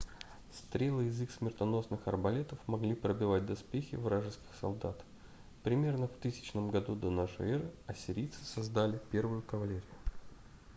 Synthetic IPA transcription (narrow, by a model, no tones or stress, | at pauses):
st̪ɾʲelˠɨɪzixsmʲɪrt̪ɐno̞snɨxɐ̰rbɐlʲet̪əfmɐɡlʲipɾəbʲɪvat̚ʲd̪ɐspʲexʲɪ̰vɾaʐɨskʲɪ̥xsɐ̰lˠd̪at̪ | pɾʲɪmʲe̞rnəft̪ɨsʲɪ̥t͡ɕnəmɡɐd̪ud̪ɐnaʂɨ̰ɛɾɨɐsʲɪɾʲijt̪sɨ̥sɐzd̪alʲɪpʲe̞rvʊjʊkəvɐlʲeɾʲɪjʊ